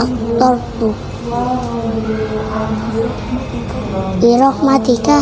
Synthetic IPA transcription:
t̪ɔrb̥u | ʔiɾɔk̚mad̪̥ika

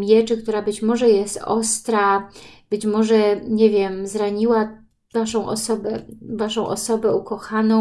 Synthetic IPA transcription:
mʲjɛt͡ʂɘkt̪uɾabɘt͡ɕmɔʐɛjɛst̪ɔst̪ɾab̥ɘt͡ɕmɔʐɛɲevʲjɛmzɾaɲiwa | vaʂɔ̃w̃ʔɔ̰sɔbɛvaʂɔ̃w̃ʔɔ̰sɔbɛukɔxanɔ̃

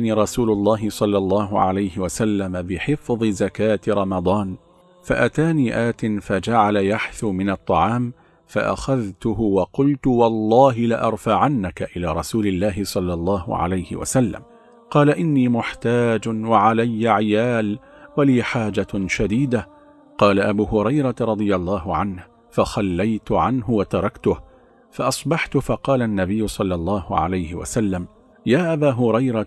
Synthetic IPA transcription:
niːɾˤɑsuːlʊlˤːɑːɦɪsˤɑlːɑlˤːɑːɦʊʕa̰lajhɪwasalːamabɪħɪfðˤɨzakaːt̪ɾˤɑmɑd̪ˤɑːn | fa̰ʔat̪aːniːʔaːt̪ɪnfad͡ʒaʕalajaħθumɪnɑt̪ˤːɑʕɑːm | faʔa̰xaðt̪ʊɦʊwɑqʊlt̪ʊwɑlˤːɑːɦɪlɪʔɑɾˤfaʕanːakaʔɪlaːɾˤɑsuːlɪlːaːɦɪsˤɑlːɑlˤːɑːhʊ̰ʕa̰lajhɪ̰wa̰salːa̰m | qɑːlaʔɪnːiːmʊħt̪aːd͡ʒwaʕalajːaʕɪjaːl | waliːħaːd͡ʒaʃad̪iːd̪a | qɑːlaʔabuːɦʊɾɑjɾˤɑɾˤɑd̪ˤɨjɑlˤːɑːɦʊʕanh | faxalːajt̪ʊʕanɦʊwat̪ɑɾˤɑkt̪ʊh | faʔɑsˤbɑħt̪ʊfɑqɑːlanːabɪjːʊsˤɑlːɑlˤːɑːhʊ̰ʕa̰lajhɪ̰wa̰salːam | jaːʔabaːɦʊɾɑjɾˤɑ

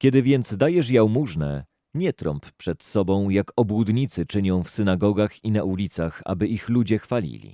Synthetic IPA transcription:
kʲɛd̪ɘvʲjɛnd̪zd̪ajɛʂ̬jawmuʐnɛ̰ | ɲɛt̪ɾɔ̰mppʂɛt̪sɔbɔ̃w̃jakɔbwud̪ɲit̪sɘt͡ʂɘɲɔ̃w̃fsɘnaɡɔɡaxinaʔulʲit̪saxa̰bɘʔixlud͡ʑɛxfalʲḭlʲḭ

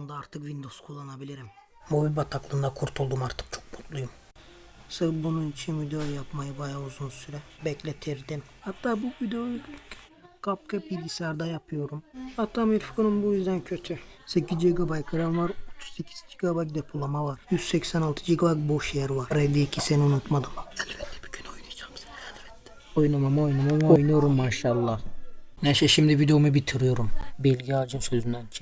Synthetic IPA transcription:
und̪aaɾt̪ʰɯkvind̪o̞zkʰulˠːanabilʲiɾim | mobilʲbat̪ʰaklˠɯnd̪akʰuɾt̪ʰulˠd̪umaɾt̪ʰɯ̥k̚t͡ʃʰo̞̥k̚mut̪lˠujum | sɯbununit͡ʃʰinvid̪oojapmajɯbajauzunsyɾɛbɛclʲet̪ʰiɾd̪imhat̪ʰːaːbuvid̪olʲyc | kʰap̚kʰabiɟʲisæɾd̪ajapʰɯjo̞ɾumhat̪ʰːaːmilfi̥kʰɯnɯmbujyzd̪æncʰø̞t̪ʰysecizd͡ʒiɡabajkʰaɾamvaɾot̪ʰu̥z̥secʰi̥zd͡ʒiɡabajd̪epʰulˠamavaɾ̥jyz̥sɛcsænalˠt̪ʰɯd͡ʒiɡabajboʃejɛɾivaɾɾelʲːiicʰiseniunut̪mad̪ɯmɛlʲbɛt̪ʰːɛ̥b̥i̥ɟynojnajd͡ʒamsnɛlʲbɛt̪ʰːɛ̥ | ojnamamojnamamojnujo̞ɾumːaʃalˠːahneʃɛʃimd̪ivid̪eomubit̪ʰiɾijo̞ɾumbilʲɡɟiad͡ʒɯmsø̞zynd̪ænt͡ʃʰi

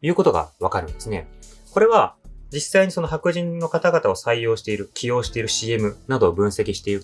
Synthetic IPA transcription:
jɯ̟ːko̞t̪o̞ɡa̰βakaɾɯ̟̃nd̪e̞sɨne̞ko̞ɾe̞βad͡ʑisːaiɲ̟iso̞no̞ɦakɯ̟ʑĩnːo̞kat̪aɡat̪ao̞saijo̞ːɕi̥t̪e̞iɾɯ̟kʲijo̞ːɕi̥t̪e̞iɾɯ̟ɕie̞mɯ̟nad̪o̞bɯ̟̃ɰ̃se̞kʲiɕi̥t̪e̞iɾɯ̟

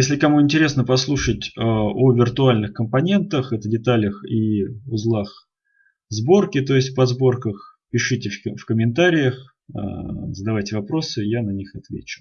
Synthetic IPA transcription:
jesʲlʲɪkɐmuɪnʲtʲɪɾʲe̞snəpɐslˠuʂətʲəovʲɪrt̪ʊalʲnɨxkəmpɐnʲe̞nt̪əxɛt̪ədʲɪt̪alʲəxiʊzlˠax | zbo̞rkʲɪt̪o̞ɪsʲtʲpɐzbo̞rkəxpʲɪʂɨtʲɪfkəmʲɪnt̪aɾʲɪjəx | a̰zəd̪ɐvajtʲɪvɐpɾo̞sɨjanɐnʲixɐt̪vʲḛt͡ɕʊ̥

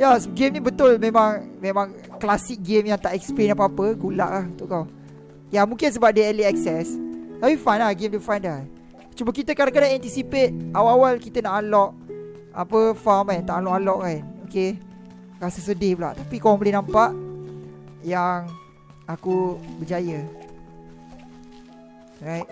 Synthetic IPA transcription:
jasɡemnĩbət̪ʊlmẽmãŋmẽmãŋ | klasik̚ɡemjaŋt̪aʔɛksplenap̬əapəɡula̰ʔlahut̪uʔkaw | jamũŋkins̬əbap̚dəɛliɛksɛst̪apifajnlahɡemdəfajnda | t͡ʃubəkit̪əkaɾaŋkanaʔɛnt̪isipet̪̚awaawalkit̪ənaʔalɔʔ | a̰pəfamajnt̪aʔalɔʔalɔʔkanoke | kasəsədɪpla̰ʔt̪apikoãŋbəlɪnãmpaʔ | jaŋ | akubəd͡ʒajə | ɾajt̚

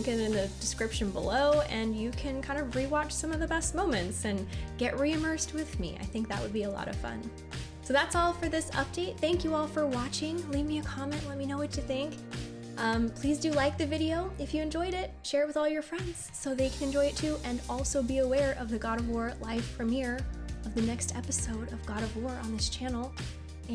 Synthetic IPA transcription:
ɪ̃ŋkɨ̃nɨ̃nðɨdɨskɹ̥ɪpʃɨ̃nbə̰loʊɨ̃njɨkʰɨ̃nkʰãɪ̃ndʌvɹiwɑt͡ʃsʌ̃mʌvðɨbɛst̚mõʊ̃mɨ̃ntsɨ̃nɡ̥ɛʔɹiɨmɜ˞st̚wɨðmḭa̰ɪθɪ̃ŋk̚ðɨ̰ʔ̚wə̰d̚biəlɔ̰ɾʌ̰v̥fʌ̰̃n | soʊðætsɔlˠfə˞ðɪsʌ̰p̚d̥eɪt̪̚θæ̃ŋkjɨɔlˠfə˞wɑt͡ʃɪ̃ŋlivmiɨkʰɑmɛ̃nʔlɛt̚minoʊwʌtʰɨθɪ̃ŋk | ʔʌ̃mpʰl̥izdɨlaɪk̚ðɨvɪɾioʊɨfjɨɨ̃nd͡ʒɔɪɾɪt̚ʃɛɹɨt̚wɨðɔlˠjə˞fɹɛ̃ndz̥soʊðeɪkʰɨ̃nɨ̃nd͡ʒɔɪɨtʰʉʔɨ̃nɔlˠsoʊbiɨwɛɹʔʌvðɨɡɑɾʌvwɔɹlaɪfɹʌ̃mhiɹʌvðɨnɛkstʰɛ̰pɨsoʊɾʌvɡɑɾʌvwɔɹʔə̰̃nðɪst͡ʃʰænl̩ˠ | ɨ̃

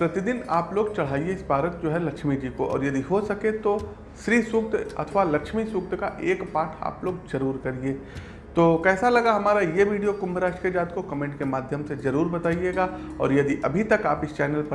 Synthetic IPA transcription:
pɾɐt̪id̪ɪnaːploːɡt͡ʃɐɽ̤aːieɪsbaːɾət̪̚d͡ʒoːɦɛlɐkʃmid͡ʒiːkoʔɔ̰ːɾjɐd̪iɦosɐket̪o | ʃɾiːsʊk̚t̪ɐ̰t̪ʰʋalɐkʃmisʊk̚t̪kaʔeːkpaːʈʰa̰ːploːɡd͡ʒɐɾuːɾkɐɾieː | t̪oːkɛːsalɐɡaɦɐmaːɾajeʋiːɖijokʊ̃mbɾaːʃked͡ʒaːd̪kokɐmẽːɳʈkemaːd̪ʱjəmsezɐɾuːɾbɐt̪aːijeːɡaːɔ̰ːɾjɐd̪iʔɐbʱit̪ɐkaːpɪst͡ʃɛːnəlp

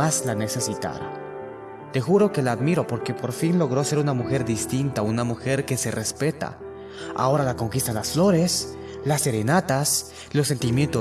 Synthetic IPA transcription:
aslane̞se̞sit̪a̰ɾa | t̪e̞xuɾo̞ke̞laːðmiɾo̞po̞ɾke̞po̞ɾfinlo̞ɣɾo̞se̞ɾunamuxe̞ɾd̪ist̪int̪aunamuxe̞ɾke̞serespe̞t̪a̰ | a̰o̞ɾalako̞ŋkist̪alasflo̞ɾe̞s | lasːe̞ɾe̞nat̪as | losːe̞nt̪imje̞nt̪o

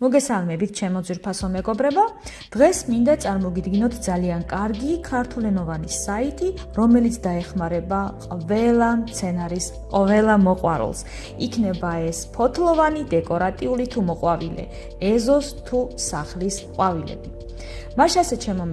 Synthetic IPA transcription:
mɔɡɛsalˠmɛbit̪ʰʃɛmɔd̪zwiɾpʰasɔmɛɡɔbɾɛba | d̪̥ʁɛsmind̪at̪sʼaɾmɔɡid̪ɡinɔt̪ʰd̪zaliankʼaɾɡikʰaɾt̪ʰulɛnɔvanisait̪ʼi | ɾɔmɛlit̪sʰd̪aɛχmaɾɛbaqʼvɛlˠamt̪sʰɛnaɾis | qʼvɛlˠamɔqʼwa̰ɾṵlˠs | ikʰnɛbaɛspʰɔt̪ʰlˠɔvanid̪ɛkʼɔɾat̪ʼiulit̪ʰumɔqʼwavilɛ̰ | ɛzɔst̪ʰusaχlisqʼwavilɛ̰bi | maʃasɛt͡ʃʰɛmɔ

